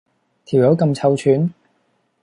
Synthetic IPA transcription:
t̪ʰiː˨˩wjɐ˨˥wkɐ˧mt͡sʰɐ˧wt͡ʃʰyː˨˥n

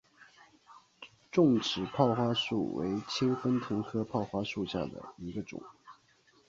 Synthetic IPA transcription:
ʈ͡ʂʊ˥˩ŋʈ͡ʂɻ̩˨˩pʰɑ˥˩ʊxwa˥ʂṵ˥˩wḛ˧˥ɪt͡ɕʰi˥ŋfə˥nt̪ʰɤ˧˥ŋkʰɤ˥pʰɑ˥˩ʊxwa˥ʂu˥˧ɕja̰˥˩d̪ə̰˩i˧˥ɡə˧ʈ͡ʂʊ̰˨˩˦ŋ

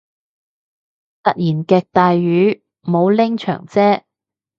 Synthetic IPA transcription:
t̪ɐ˨t̚jiː˨˩nkɛː˨˧k̚t̪aː˨jɥyː˨˥ | mo˨˧wlɪ˥ŋt͡ʃʰœ̰ː˨˩ŋt͡sɛː˥

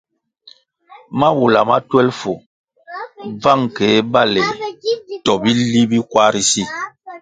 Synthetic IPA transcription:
ma˦wu˨la˨ma˦twɛ˦lfo˨ | b͡va˦˨ŋke˨˦ba˦lɛ˨tɔ˨bi˦li˦bi˦kwa˦ɾi˦si˦˨

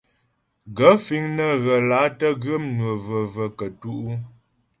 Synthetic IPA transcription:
ɡə˨˦fi˨˦ŋnə˦ɣə˨la˨˦tə˦ɣə˦mnwə˨və˨və˨kə˨tu˦ʔu˦

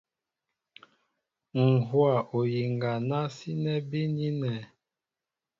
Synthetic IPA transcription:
ŋ̩˨ɦwa˨ʔo˨ji˨ŋɡa˨na˦si˦nɛ˦bi˦ni˦nɛ˨

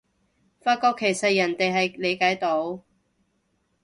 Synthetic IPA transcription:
faː˧t̚kɔː˧kʰːe˨˩jsɐ˨t̚jɐ˨˩nt̪e˨jɦɐ˨jle˨˧jkaː˨˥jt̪o˨˧˥w

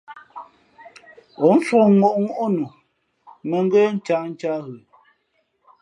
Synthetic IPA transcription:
o˨˦n˦fo˦˨ŋo˦˨ʔŋo˦ʔo˦nu˨ | mə˨ŋ˦ɡe˦n̩˦t͡ʃa˦n̩˦t͡ʃa˦ɣə˨

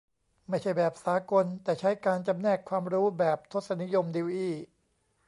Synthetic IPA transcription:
ma˥˩jt͡ɕʰa˥˩jbɛː˨˩p̚saː˨˦ko˧nt̪ɛː˨˩t͡ɕʰa˦˥jkaː˧nt͡ɕa˧mnɛː˥˩kʰwaː˧mɾuː˦˥bɛː˨˩p̚t̪ʰo˦˥t̪̚sa˧˦ni˦˥jo˧mdiː˧wʔiː˥˩

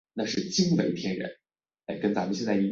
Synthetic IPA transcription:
na˥˧ʂɻ̩˥˩t͡ɕi˥ŋwe˧˥ɪt̪ʰjɛ˥nɻə̰˧˥n˥˩ | ɪkə˥nt͡sa˧˥mə˧nɕjɛ˥˧nt͡sa˥˩i˧˥

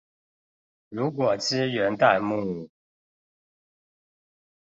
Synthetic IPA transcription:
ɻu˧˥k̬wɔ˨˩t͡ɕʰi˥ɥɛ˧˥nt̪a˥˧ɪmu˥˧˨u˨˩

